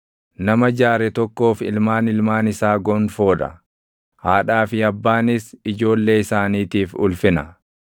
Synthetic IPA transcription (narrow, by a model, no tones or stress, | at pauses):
nɐmɐd͡ʒaːɾɛt̪ɔkːo̞ːfɪ̰lmaːnɪlmaːnɪsaːɡɔnfo̞ːᶑɐ̰ | haːᶑaːfɪɐbːaːnɪsɪd͡ʒo̞ːlːe̞ːɪsaːniːt̪iːfʊ̰lfɪnɐ